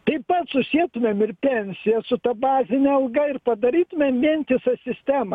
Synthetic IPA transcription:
t̪ɐɪpɐt̪sʊsʲiɛt̪ʊmʲemɪrpʲɛnʲsʲɪjɛsʊt̪ɐbɑːzʲɪnʲɛɐlˠɡɐɪrpɐd̪ɐɾʲiːt̪ʊmʲemʋʲiɛnʲt̪ʲɪsɐsʲɪsʲt̪ʲæːmɐ

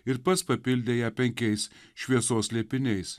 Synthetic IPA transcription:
ɪɾpɐspɐpʲɪlʲd̪ʲeːjɛpʲɛŋʲkʲɛɪsʃʲʋʲiɛsoːslʲiɛpʲɪnʲɛɪs

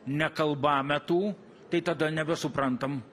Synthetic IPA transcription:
nʲɛkɐlˠbɑːmʲɛt̪uː | t̪ɐɪt̪ɐd̪ɐnʲɛbʲɛsʊpɾɐnt̪ɐm

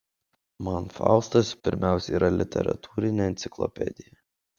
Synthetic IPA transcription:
mɐnfɑ̰ˑʊst̪ɐspʲɪɾʲmʲæˑʊsʲɛiːɾʔɐlʲɪt̪ʲɛ̰ɾɐ̰t̪ʰuːɾʲɪnʲeɐnʲt̪sʲɪklˠɔ̰pʲɛ̰d̪ʲɪjɛ

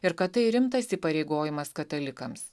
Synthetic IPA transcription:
ɪɾkɐtt̪ɐɪɾʲɪmt̪ɐsʲiːpɐɾʲɛɪɡoːjɪmɐskɐt̪ɐlʲɪkɐms

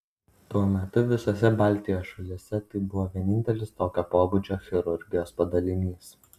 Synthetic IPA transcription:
t̪uɔmʲɛt̪ʊʋʲɪsosʲɛbɑˑlʲt̪ʲɪjoːsʃɐlʲɪsʲɛt̪ɐɪbʊʋoːʋʲiɛnʲɪnʲt̪ʲɛlʲɪst̪oːkʲoːpoːbʊd͡ʒʲoːxʲɪɾʊɾʲɡʲɪjoːspɐd̪ɐlʲɪnʲiːs

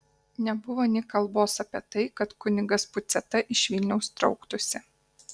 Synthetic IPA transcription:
nʲɛbʊʋoːnʲɪkɐlˠboːsɐpʲiɛt̪ɐɪkɐt̪kʊnʲɪɡɐspʊt̪sʲɛt̪ɐʔɪʃʲʋʲɪlʲnʲɛʊst̪ɾɒ̰ʊkt̪ʊsʲɪ

